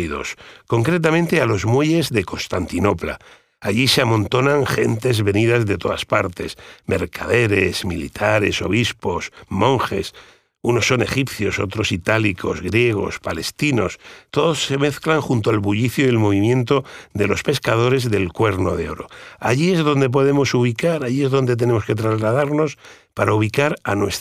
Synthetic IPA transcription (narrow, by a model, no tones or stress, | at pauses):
ðo̞̰sko̞ŋkɾe̞t̪̬amẽnt̪ealo̞zmwe̞ʎe̞zðe̞ko̞nst̪ant̪ino̞pla̰ | aʎise̞amõ̞nt̪o̞nãŋxe̞nt̪e̞zβe̞niðazðe̞t̪o̞ðaspaɾt̪e̞̰smʔe̞̰ɾkʰaðe̞ɾe̞zmilḭt̪ʰaɾe̞̰so̞β̞ispo̞smõ̞ŋxe̞̰s | uno̞sːo̞ne̞xipθjo̞so̞̰t̪ɾo̞sit̪alikʰo̞̰zɣɾje̞ɣ̞o̞̰spale̞st̪ino̞st̪o̞ðo̞sːe̞me̞θklaŋxunt̪oalβuʎiθjoðelmo̞βimjẽ̞nt̪o̞ðe̞lo̞spe̞skað̞o̞ɾe̞zðe̞lkwe̞ɾno̞ðe̞o̞ɾo̞̰aʝie̞zðo̞nd̪e̞p̬o̞ð̞e̞mo̞suβ̞ikaɾaʝie̞zðo̞nd̪e̞t̪̬e̞ne̞mo̞ske̞t̪̬ɾazlað̞aɾno̞s | paɾauβ̞ikaɾanwe̞s